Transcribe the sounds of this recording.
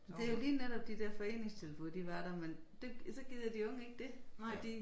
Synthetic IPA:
d̥e̝æjoliːneɾ̥ɒ̽b̥̚d̥id̥eɐfɒ̽e̝̰ːne̝ŋst͡sʰe̝lfo̰ðˠd̥iʋɑ̈ɾ̥ɐmend̥e̝sɒ̽ɡ̥ið̰ˠjɐd̥iɔ̽ŋəe̝ɡ̥̚d̥e̝d̥i

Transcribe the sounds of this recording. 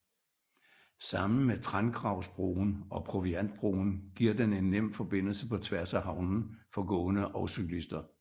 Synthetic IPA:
sɑ̈mn̩met͡sʰʁɑnɡ̥ʁɑ̈ʊsb̥ʁo̰ːn̩ɒ̽pʰʁo̝ʋiæn̰d̥̚b̥ʁo̝̰ːn̩ɡ̥iɐ̰d̥ene̝nːem̰fɒ̽b̥e̝n̰l̩səpʰɒ̽t͡sʰʋæɐsæhɑ̈ʊnn̩fɒ̽ɡ̥ɔ̰̽ːnəʔɒʊsyɡ̥lisd̥ɐ

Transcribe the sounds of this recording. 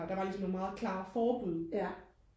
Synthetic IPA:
d̥ɑ̈ʋɑ̈lisɒ̽ne̝nmɑ̈ːð̞̩ˠkʰlɑ̰̈ːfɒːb̥uð̞̰ˠ

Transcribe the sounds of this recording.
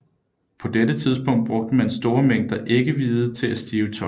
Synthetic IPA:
pʰɒ̽d̥edət͡sʰið̞ˠsb̥ɔ̽ŋ̰d̥̚b̥ʁɔ̽ɡ̥̚d̥əmænsd̥o̝ːɐmeŋ̰d̥ɐʔe̝ɡ̥əʋiːð̩ˠt͡sʰe̝læsd̥iːʊt͡sʰɒ̽

